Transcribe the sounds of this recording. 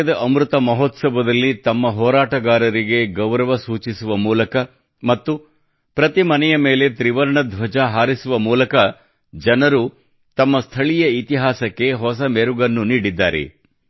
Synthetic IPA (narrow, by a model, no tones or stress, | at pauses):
ɐd̪ɐʔɐmɾut̪ɐmɐɦɔt̪sɐbɐd̪ɐlːit̪ɐmːɐɦɔːɾaːʈɐɡaːɾɐɾiɡe̞ɡɐʋɾɐʋɐsuːt͡ʃisuʋɐmuːlɐkɐ | mɐt̪ːu | pɾɐt̪imɐnɛjɐme̞ːle̞t̪ɾiʋɐɾɐɳɐd̪ʱʋɐd͡ʒɐɦaːɾisuʋɐmuːlɐkɐ | d͡ʒɐnɐɾu | t̪ɐmːɐst̪ʰɐɭijɐit̪iɦaːsɐkːe̞ɦɔsɐmeɾuɡɐnːuniːɽid̪ːaːɾḛ